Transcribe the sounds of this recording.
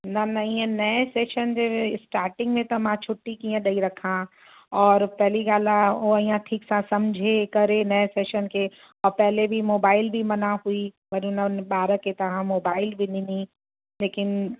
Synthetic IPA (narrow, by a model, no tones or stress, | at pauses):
nɐnɐiːə̃nɐeseːʃənd͡ʑeɪsʈaːɾʈɪ̃ŋɡmẽt̪ɐmãt͡ʃʰʊʈːikĩːə̃ɗɐiɾɐkʰã | ɔːɾpɛɦɪliɡaːlaoɐĩːãʈʰiːksãsɐmd͡ʑʱekɐɾenɐseːʃənkʰe | ɔːɾpɛɦlebʱimoːbaːɪlbʱimɐnaɦuiʋɐɾʊnəɓaːɾəket̪ɐʋ̤ãmoːbaːɪlbʱinini | leːkɪn